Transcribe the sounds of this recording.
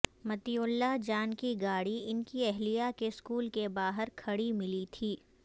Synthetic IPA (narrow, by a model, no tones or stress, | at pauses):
mɐt̪iʊlːad͡ʒaːnkiɡaːɽiɪnkiɛɦlijakeskuːlkebaːɦəɾkʰɐɽimɪlit̪ʰiː